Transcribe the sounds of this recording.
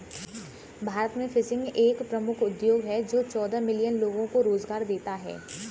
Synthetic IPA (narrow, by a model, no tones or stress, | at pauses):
bʱaːɾət̪mẽfɪsɪ̃ŋɡeːkpɾɐmʊkʰʊd̪joːɡɦɛd͡ʒoːt͡ʃɔːd̪amɪlijənloːɡõkoɾoːzɡaːɾd̪eːt̪aɦɛ̰ː